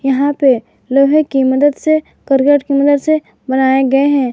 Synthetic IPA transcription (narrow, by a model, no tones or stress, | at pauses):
jɐɦãpe | loːɦẽkimɐd̪əd̪se | kɐɾkeʈkimɐd̪əd̪se | bɐnaːeɡɐeɦɛ̃ː